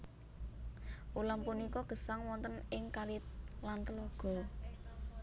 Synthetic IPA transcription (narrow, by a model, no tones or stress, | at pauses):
ʔulampunikɔɡ̥ə̤saŋwɔnt̪ənɪŋkalɪt̪̚lant̪əlɔɡ̥ɔ̤